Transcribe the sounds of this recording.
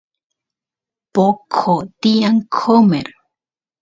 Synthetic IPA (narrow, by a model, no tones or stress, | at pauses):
pokʰot̪iaŋkʰomeɾ